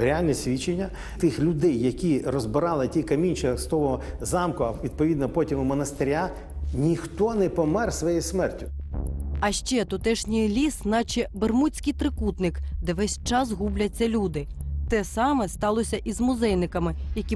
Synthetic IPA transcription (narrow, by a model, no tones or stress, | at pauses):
ɾʲealʲnɛsʲʋʲit͡ʃenʲːɐ | t̪ɪxlʲʊd̪ɛjːɐkʲirɔzbɪɾɑlˠɪtʲikɐmʲinʲt͡ʃɛst̪ɔɦɔzɑmkʊɐʋʲid̪̚pɔʋʲid̪nɔpɔtʲimʊmɔnɐst̪eɾʲa | nʲixt̪ɔnɛpɔmɛrsʋɔjismɛrtʲʊ | ɐʃt͡ʃɛt̪ʊt̪ɛʃnʲijlʲisnɑt͡ʃɛbermusʲkɪjt̪ɾɪkut̪nɪkd̪ɛʋɛsʲt͡ʃɑzɦublʲɐt͡sʲːɐlʲud̪ɪt̪ɛsɑmɛst̪ɑlˠɔsʲɐʔizmʊzɛjnɪkɐmɪjɐkʲi